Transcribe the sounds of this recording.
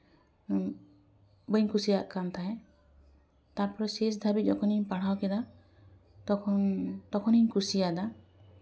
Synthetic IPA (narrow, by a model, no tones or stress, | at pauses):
bəiɲkʰusijaʔkant̪ʰae | t̪aɾpɔɾɔses̬d̪ʱabid͡ʒɔkʰɔniɲpaɽ̤awkɛd̪a | t̪ɔkʰɔnt̪ɔkʰɔniɲkusijad̪a